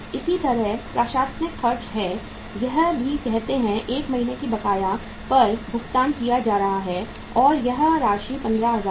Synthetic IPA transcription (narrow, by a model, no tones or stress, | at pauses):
ɪsit̪ɐɾəɦpɾaːʃaːsnɪkfɐɾd͡ʒɦɛ | jɐɦbʱikɛɦt̪eɦɛ̃ʔeːkmɐɦiːnekibɐkaːjã | pɐɾbʱʊkt̪aːnkijad͡ʒaːɾɐɦaɦɛ | ɔːɾjɐɦɾaːʃipɐ̃nd̪ɾaɦɐzaː